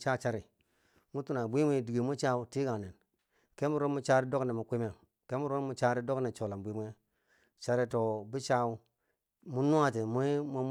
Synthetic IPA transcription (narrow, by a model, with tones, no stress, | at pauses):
t͡ʃa˦t͡ʃa˦ɾi˨ | mu˦tu˦na˨bʷi˦mʷ˦e˦di˨ɡe˨mu˦t͡ʃa˦u˦ti˦ɡa˨ne˨n | ke˦mu˦ɾo˦nmu˦t͡ʃa˦ɾi˦do˦kne˨mu˨kʷi˦me˨ | ke˦mu˦ɾo˦n˦mu˨˦t͡ʃa˦ɾi˦do˦kne˨t͡ʃo˨la˨bʷi˦mʷ˦e˦ | t͡ʃa˦ɾi˦to˨bi˦t͡ʃa˦u˦ | mu˦nu˦a˦ti˨me˦m˦